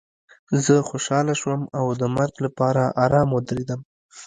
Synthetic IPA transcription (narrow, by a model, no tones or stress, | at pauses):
zəxoʃɑlaʃwəmawd̪əmaɾɡlapɑɾaʔaɾɑmwəd̪ɾed̪əm